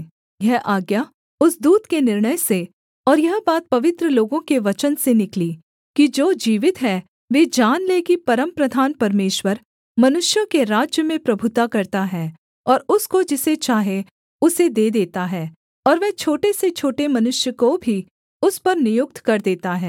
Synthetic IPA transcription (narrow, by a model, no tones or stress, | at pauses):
jɛɦʔaːɡja | ʊsd̪uːd̪kenɪɾɳ̃əjse | ɔːɾjɐɦbaːt̪̚pɐʋɪt̪ɾəloːɡõkeʋɐt͡ʃənsenɪkliː | kid͡ʒoːd͡ʒiːʋɪt̪ɦɛː | ʋeːd͡ʒaːnleːkipɐɾəmpɾəd̪ʱaːnpɐɾmeːʃwəɾ | mɐnʊʃjəkeɾaːd͡ʒjəmẽpɾɐbʱʊt̪akɐɾt̪aɦɛː | ɔːɾʊskod͡ʒɪset͡ʃaːɦe | ʊsed̪eːd̪eːt̪aɦɛː | ɔːɾʋɛːt͡ʃʰoːʈeset͡ʃʰoːʈemɐnʊʃjəkobʱi | ʊspɐɾnɪjʊk̚t̪kɐɾd̪eːt̪aɦɛː